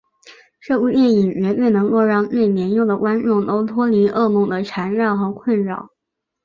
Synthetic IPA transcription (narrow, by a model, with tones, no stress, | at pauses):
ʈ͡ʂɤ˥˧˩u˥˧t̪jɛ˥˩ni˨˩ŋɥɛ˧˥twe˥˩ɪnɤ˧˥ŋko˥˧ʊɻɑ˥˧ŋne˥˩ɪmjɛ˧˥njʊ˥˩ŋd̪ə˩kwa˥nʈ͡ʂʊ˥˩ŋt̪o˥ʊt̪ʰwɔ˥li˧˥ʔɤ˥˧mʊ˥˩ŋd̪ə˩ʈ͡ʂʰa˧˥nɻɑ˥˩ʊxɤ˧˥kʰwə˥˩nɻɑ˥˨˩ʊ